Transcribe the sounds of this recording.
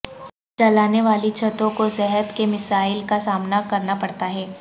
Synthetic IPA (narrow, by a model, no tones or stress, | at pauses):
t͡ʃɐlaːneʋaːlit͡ʃʰɐt̪õkosɛɦət̪kemɪsaːɪlkasaːmnakɐɾnapɐɽt̪aɦɛː